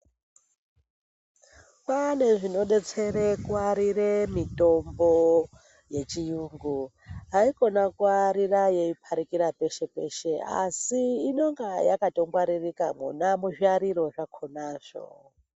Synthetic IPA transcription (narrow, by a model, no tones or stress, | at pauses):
pane̞ʐino̞ɗe̞t͡se̞rekuaɾiremito̞mbo | je̞t͡ʃijuːŋɡu | ɦaiko̞nakuaɾiraje̞ipʰaɾikiɾape̞ʃe̞pe̞̰ʃe̞a̰siːno̞ŋɡajakato̞mɡwaɾirikamunamuʒiaɾiɾo̞ʐakʰonaːʐ̥o̰